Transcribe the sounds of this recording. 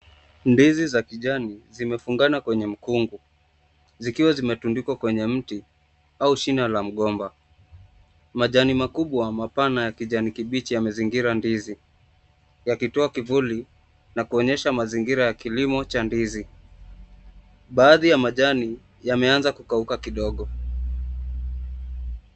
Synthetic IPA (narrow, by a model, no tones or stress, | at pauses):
ndizizakiʄanizimɛfuŋɡanakwɛɲɛm̩kuŋɡu | zikiwazimɛtundikwakwɛɲɛm̩ti | auʃinalam̩ɠɔmba | maʄanimakuɓwamapanajakiʄanikiɓit͡ʃijamaziŋɡiɾandizi | jakitɔakivuli | nakuɔɲɛʃamaziŋɡiɾajakilimɔt͡ʃandizi | ɓaːðijamaʄani | jamɛanzakukaukakiɗɔɠɔ